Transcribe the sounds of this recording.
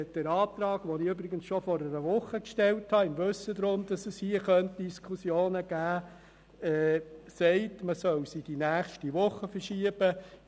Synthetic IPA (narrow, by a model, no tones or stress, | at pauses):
d̥ɛɾɑːt̪ɾɑːɡʋɔnɪʏbɾɪɡənsʃɔfɔɾəɾəʋʊχəkʃtɛlthɑɪmʋɵsəd̪ɾʊmd̥̪ɑsɛshiəχœnt̚d̥iskʰusjoːnəɡ̥æː | ɛːsɛɪtməsœwsid̥inæːχʃtiʋʊχːəfəɾʃiəb̥ə